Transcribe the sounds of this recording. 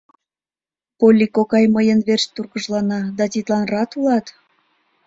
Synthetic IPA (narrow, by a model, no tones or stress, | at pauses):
polʲːikokɑjməjənβerʃt̪urɣəʒlɑnɑd̪ɑt̪it̪lɑnrɑt̪ulɑt̪